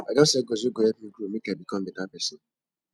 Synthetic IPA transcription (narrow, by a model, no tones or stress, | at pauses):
aɡãsɛɡozoɡoɛp̩ɡumikãbikɔbedapɛsɔ